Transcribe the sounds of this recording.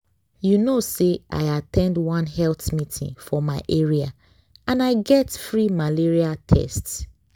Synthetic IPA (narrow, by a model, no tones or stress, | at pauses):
junoseʔa̰ɪatʰɛ̃ndwʌ̃nɦɛlθmitʰḭ̃ŋfɔmaɪʔɛɹia | ãnaɪɡɛtfɹimaliɹiatʰɛ̰sts